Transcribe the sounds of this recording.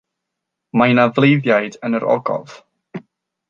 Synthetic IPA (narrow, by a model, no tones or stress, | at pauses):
majnavlˠejðjajdənəɾɔ̰ɡɔ̰v̥